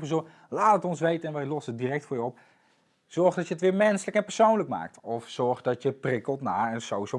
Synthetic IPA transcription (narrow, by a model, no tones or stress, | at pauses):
pəzo | laːtətɔnsʋejtənɛnʋɛjlɔsəədirɛk̚tfʊːɹjəɔp̚ | z̥ɔɹxdɔtjəətʋɪːɹmɛnsələkɛnpəɹsownləkma̰ːk̚tɔfsɔɹχdɔtjəprɪkəlˠtnaːənsowiso